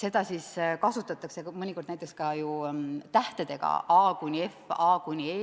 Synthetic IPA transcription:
se̞d̪̥ɑsiskɑsut̪ːˑɑt̪ːˑɑkse̞mɤnʲiko̞rd̪næjt̪ːˑekskɑjut̪æht̪ed̪e̞ɡ̥ɑ̰ɑːkunʲie̞fɑːkunʲieː

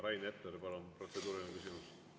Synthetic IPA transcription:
ɾɑjnet̪ːeɾpɑlompro̞t̪sed̪uːɾinekysimus

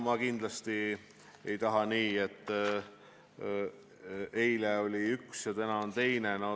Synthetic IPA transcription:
mɑkind̪̥lɑst̪i | e̞jt̪ɑɦɑniːe̞t̪ːˑ | ejleo̞lʲiyksjɑt̪ænɑont̪e̞jne̞no

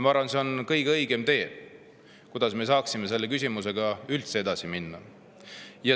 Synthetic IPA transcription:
mɑɑɾvɑnse̞o̞nkɤjɡ̥ɤ̞jɡ̥e̞mt̪e̞̥ː | kud̪̥ɑsme̞s̬ɑːksime̞s̬e̞lːe̞k̬ys̬ʲimus̬e̞ɡ̥ɑylt̪se̞e̞d̪̥ɑsiminːɑ | jɑ

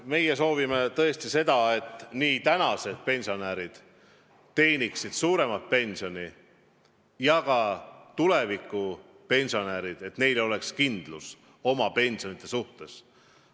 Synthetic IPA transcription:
me̞jeso̞ːvimet̪ɤ̞e̞st̪ise̞d̪̥ɑe̞t̪ːˑniːt̪ænɑse̞d̪̥̚pe̞nʲsio̞næːɾid̪̥ | t̪ːe̞ːniksid̪̥suːɾe̞mɑt̪̚pe̞nʲsio̞ni | jɑkɑt̪ule̞vikːˑu | pe̞nʲsio̞næːɾid̪̥e̞t̪ne̞jleo̞le̞kskind̪̥lṵs | o̞mɑpe̞nʲsio̞nit̪ˑːe̞suht̪e̞s

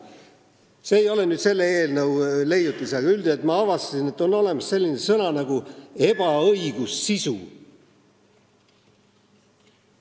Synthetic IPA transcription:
se̞ːjo̞le̞nyːd̪se̞lːeeːlnɤwle̞jd̪ut̪ːˑisɑɡ̥ɑyld̪iet̪ːˑmɑɑvɑst̪ɑsine̞t̪ːˑo̞nːo̞le̞mɑsːe̞lʲːinesɤnɑnɑɡ̥ue̞b̥ɑɤiɡ̥usːisu

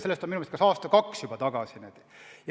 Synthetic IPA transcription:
se̞lːest̪onminumest̪kɑsɑːst̪ɑkɑksjub̥ɑt̪ɑɡ̥ɑsinet̪ | jɑ

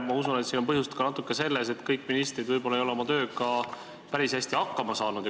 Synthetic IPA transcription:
mɑusunet̪seo̞npɤɦjust̪kɑnɑt̪ːˑukːˑe̞se̞lːes̬e̞t̪ːˑkɤjkːˑminist̪ɾid̪vɤjbo̞lːɑejo̞leo̞mɑt̪ø̞ːkɑ | pæɾishæsʲt̪iɑkːɑmɑsɑːnud̪̥ɑ

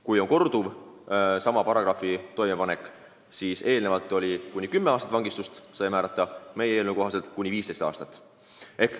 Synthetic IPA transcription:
kujo̞ŋko̞rd̪̥uv | sɑmɑpɑɾɑɡ̥rɑfit̪o̞jme̞pɑne̞kːˑ | siːse̞ːlne̞vɑlt̪ːˑo̞lʲikunʲːikymːeɑːst̪ɑt̪vɑŋɡist̪ust̪sɑjmæːɾɑt̪ːˑɑme̞jeeːlnuko̞ɦɑse̞lt̪kunʲːiviːst̪e̞st̪ɑ̰ːst̪ɑt̪ːˑ | e̞k

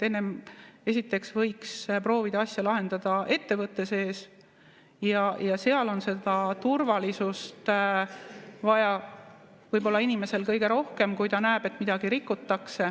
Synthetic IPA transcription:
e̞nːeme̞sit̪ːˑe̞ksvɤjkspro̞ːvid̪̥ɑɑsʲjɑlɑɦe̞nd̪ɑd̪̥ɑʔe̞t̪ːe̞vɤt̪ːe̞se̞ːs | jɑjɑse̞ɑlo̞nse̞d̪ɑt̪urvɑlisust̪ | vɑjɑ | vɤjbo̞lːɑinime̞se̞lkɤjɡe̞ɾo̞hke̞mkujt̪ɑnæːb̥e̞t̪ˑmid̪̥ɑɡ̥iɾikːˑut̪ːɑkse

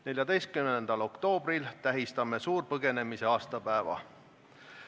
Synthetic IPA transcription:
ne̞lʲjɑd̪e̞jst̪̚kymnend̪̥ɑlo̞kt̪o̞ːb̥rilt̪æɦist̪ɑme̞suːrpɤɡ̥e̞ne̞mise̞ɑːst̪ɑpæevɑ̰

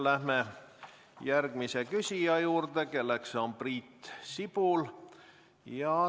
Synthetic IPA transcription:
læhme | jærɡ̥misekysʲijɑjuːrd̪eke̞lːekso̞mpriːt̪ːsipul | jɑ

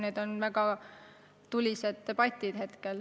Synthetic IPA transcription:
ned̪̥o̞nvæɡ̥ɑ | t̪ulʲised̪̥ːeb̥ɑt̪ʲːˑid̪̥he̞t̪kel

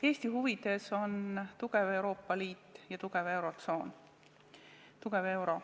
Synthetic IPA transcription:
e̞ːsʲt̪iɦuvid̪̥e̞so̞nt̪uɡ̥eve̞wɾo̞ːpːˑɑliːt̪ːˑjɑt̪uɡ̥eve̞wɾo̞t̪so̞ːn | t̪uɡ̥e̞ve̞wɾo̞

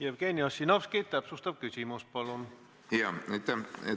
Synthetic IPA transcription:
jæb̥keːnʲiɑsːinɑpsket̪t̪æpsust̪ɑb̥̚kysʲimus̚pɑlun | jɑet̪ːɛe

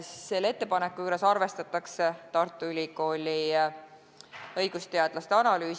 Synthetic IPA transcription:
se̞lːe̞t̪ːepɑnekːujuɾe̞sɑrve̞st̪ɑt̪ːˑɑkse̞t̪ɑrt̪ːˑuylʲiko̞ːlʲi | ɤ̞jɡ̥ust̪e̞ɑd̪̥lɑst̪e̞ɑnɑlyː

